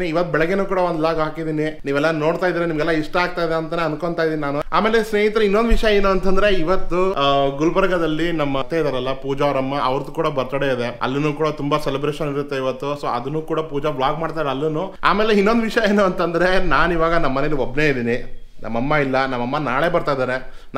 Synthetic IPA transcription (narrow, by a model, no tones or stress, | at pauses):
niiʋɐt̪ːubɛɭɛɡenuːkuːɽɐʋond̪laːɡɦaːkid̪iːniniːʋɛlːɐno̞ːɽt̪aːjid̪iːɾenimɐɡɛlːɐiʂʈɐaːɡ̚t̪aːjd̪eɐnt̪ɐneɐnko̞ɳt̪aːjid̪iːninaːnua̰ːme̞ːle̞sneːɦit̪ɾɐinːond̪ʋiʂɐjɐeːnuɐnt̪ɐnd̪ɐɾe̞iʋɐt̪ːuɡulbɐɾɐɡɐd̪ɐlːinɐmːɐt̪ːeid̪aːɾɐlːɐpuːd͡ʒaʋɐɾɐmːɐʔɐ̰ʋɐɾt̪ukuːɽɐbɐɾt̪ɐɽeid̪e̞ɐ̰lːɐnuːkuːɽɐt̪umbɐselibɾeːʃɐniɾut̪ːe̞iʋɐt̪ːuso̰ːɐd̪unːuːkuːɽɐpuːd͡ʒɐbɭaːɡmaːɖt̪ajɾɐlːɐnːua̰ːme̞ːle̞inːo̞nd̪ʋiʂjɐe̞ːnuɐnt̪ɐnd̪ɐɾe̞naːniʋaːɡɐnɐmːɐne̞liobneid̪iːni | nʔɐ̰mːɐmːɐilːɐnɐmːɐmːɐnaːɭe̞bɐɾt̪ajd̪aːɾe̞ | n